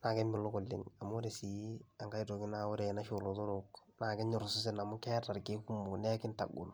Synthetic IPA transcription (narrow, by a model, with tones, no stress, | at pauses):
na˨kɛ˦mɪ˨lo˦kʊ˨lːɪ̰˨ŋa˨mʊ˦ɾe˨si˨˦a˨ŋka˦i˦to˨kɪ˦na˦o˦ɾe˨na˦ʃo˨lo˨to˦ɾok | naː˨kɛ˦ɲʊ˨ɾsʊ˦s̬ɪ˨na˨mʊ˦kɛ˦ta˨rke˦ku˦mʊ˨nɛ˦kɪ˦nta̰˨ɡʊ̰˨l